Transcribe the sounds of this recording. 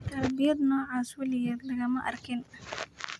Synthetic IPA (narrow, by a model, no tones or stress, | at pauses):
t̪ɐlbɪjɐd̪nɔːʕaːswʊlɪjɛːd̪lɐɣɐmɐʔɐrkʰɪn